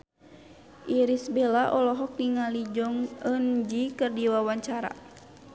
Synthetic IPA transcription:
ʔiɾisbelaʔɔlɔɦɔk̚niŋalid͡ʒɔŋənd͡ʒikɨrdiwawaɲt͡ʃaɾa̰

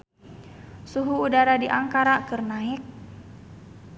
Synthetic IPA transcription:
suɦuːdaɾadiʔaŋkaɾakɨrnaɪk̚

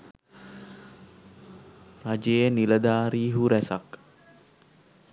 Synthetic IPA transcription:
rad͡ʒeniləd̪aɾiɦuɾɛsak̚

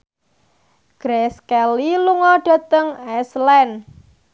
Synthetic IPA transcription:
ɡ̥ɾɛskɛliluŋɔɖ̥a̤t̪əŋɛslɛn

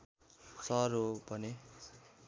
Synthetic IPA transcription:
sʌɾobʱʌne

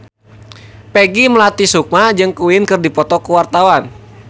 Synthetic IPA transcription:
pɛɡiməlat̪isuk̚mad͡ʒɨŋkuwɪnkɨrdipɔt̪ɔkuwart̪awan

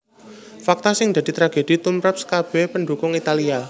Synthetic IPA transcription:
fak̚t̪asɪŋd̪a̤d̪̥i̤t̪ɾaɡ̥ed̪̥i̤t̪umɾap̚sə̥kab̥ɛpəɳɖukʊŋit̪alia

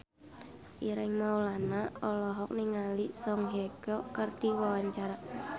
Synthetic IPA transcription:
ʔiɾɪŋmaulanaɔlɔɦɔk̚niŋalisɔŋɦeɡ̥ɔkərd̥i̤wawaɲt͡ʃaɾa

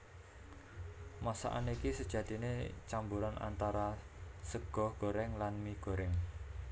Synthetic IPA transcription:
masa̰ʔa̰nikisəd̥ʒ̥ä̤d̪̥inet͡ʃambuɾana̰nt̪aɾa | səɡ̥ɔ̤hɡ̥o̤ɾɛŋlanmiɡ̥o̤ɾɛŋ

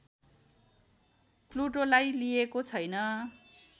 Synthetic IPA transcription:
pluʈolajlijekot͡sʰʌjnʌ

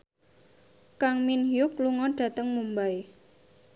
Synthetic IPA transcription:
kaŋminhjʊkluŋɔɖ̥ä̤t̪əŋmumbaj

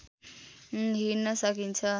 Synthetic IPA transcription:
ɦinʌsəkint͡ʃʰʌ

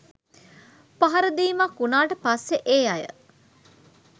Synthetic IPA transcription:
paɦɐɾəd̪iːmakːunaːʈəpasːeʔeːajə̰

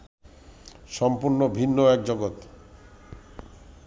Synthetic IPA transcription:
ʃɔmpuɾnobʱinːoɛkd͡ʑoɡot̪

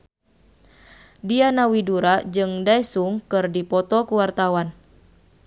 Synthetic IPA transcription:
dianawiduɾad͡ʒɨŋdajsuŋkɨrdipɔt̪ɔkuwart̪awan

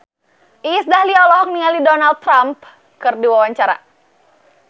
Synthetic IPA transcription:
ʔisdahliɔlɔɦɔk̚niŋalidɔnal̚t̪ːɾamp̚ | kɨrdiwawaɲt͡ʃaɾa̰

